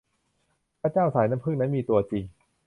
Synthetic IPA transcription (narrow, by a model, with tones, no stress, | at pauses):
ɾaː˧˥˩t͡ɕaː˥˩wsaː˩˦jna˦˥mpʰɯ˥˩ŋna˦˥nmiː˧t̪u˧ɐt͡ɕi˧ŋ